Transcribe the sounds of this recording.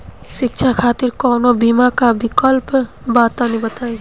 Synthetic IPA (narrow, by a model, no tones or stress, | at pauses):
ʃɪkt͡ʃʰakʰaːt̪iɾkɔːnobimakabikəlp | baːt̪anibət̪aːi